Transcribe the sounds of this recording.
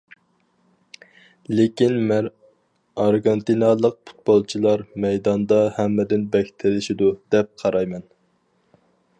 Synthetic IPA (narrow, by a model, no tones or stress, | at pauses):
lekʲinm | ɑɾɡɑnt̪ʰinɑlˠəq̚pʰu̥t̪̚bolˠt͡ʃʰilˠɑɾmɛjd̪ɑnd̪ɑhɛmːɪd̪ɪnbɛkʲt̪ʰɪlɪʃid̪ud̪̥ɛp̚qʰɑɾɑjmɛn